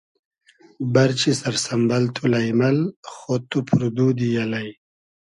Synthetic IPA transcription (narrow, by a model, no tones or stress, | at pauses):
bɐɾt͡ɕisɐɾsɐmbɐlt̪ʰulajmɐlxot̪upʰuɾud̪ud̪ijalaj